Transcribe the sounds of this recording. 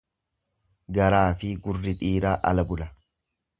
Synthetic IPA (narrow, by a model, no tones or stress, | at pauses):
ɡɐɾaːfɪɡʊrːɪt̪ʼiːɾaːʔɐ̰lɐbʊlɐ